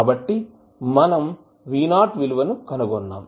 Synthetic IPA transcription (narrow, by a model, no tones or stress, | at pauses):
bɐʈːi | mɐnɐm | ʋiːnaːʈʋiluʋɐnukɐnuɡɔnːa̰ːm